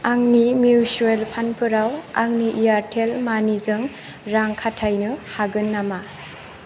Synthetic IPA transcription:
aŋnimiusuelpʰanpʰɯɾawaŋniʔijaɾtʰelmanizɯŋ | ɾaŋkʰatʰajnɯhaɡɯnːama

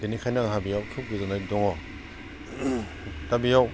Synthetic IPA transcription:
denikʰajnaŋɦabijawkʰip̚ɡizanajdɔŋɔ | tabijaw

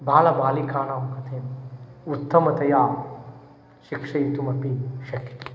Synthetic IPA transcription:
bʱaːlɐbaːlikaːnaːmkɐt̪ʰeːmut̪ːɐmɐt̪ɐjaː | ʃikʂɐjit̪umɐpiʃɐki̥t̪

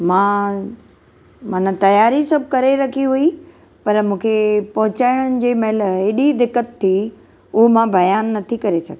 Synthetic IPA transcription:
mãː | mãːnə̃t̪ɐjaːɾisɐb̚ʱkɐɾeɾɐkʰiɦui | pɐɾmũːkʰepɐɦʊt͡ɕaːɪɽ̃ənɪ̆d͡ʑeːmɐɦɪlɦɪɗid̪ɪkːət̪ʰːi | ʊɦomãbɐjaːnːɐt̪ʰikɐɾesɐɡe

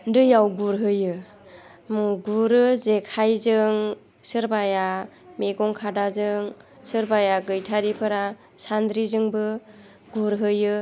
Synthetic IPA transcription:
ndɯjawɡuɾɦɯjɯ | mɡuɾɯzekʰajzɯŋ | sɯɾbaja | meɡɔŋkʰadazɯŋ | sɯɾbajaɡɯjtʰaɾipʰɯɾa | sand̪ɾizɯŋbɯ | ɡuɾɦɯjɯ

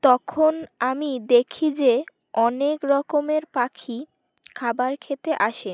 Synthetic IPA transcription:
t̪ɔkʰonamid̪ekʰid͡ʑe | ɔnekɾɔkomeɾpakʰi | kʰabaɾkʰet̪eʔaʃe

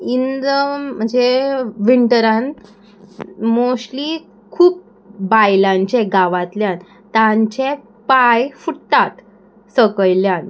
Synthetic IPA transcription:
ind̪əm̤əɳd͡zeʋiɳʈəɾãn | moɕli | kʰuːp̚ | bajlãɲt͡ɕeɡaʋat̪ljan | t̪aɲt͡ɕe | pajfuɽt̪at̪ | səkəjljan

